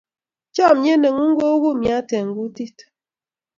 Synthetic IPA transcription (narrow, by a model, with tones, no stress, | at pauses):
t͡ʃɔ˦˨m̩˨ɲe˦ne˨ŋu˦ŋ̩˦ɡo˦ɣu˦mja˨˦te˨ŋ̩˨ɡu˦ti˦t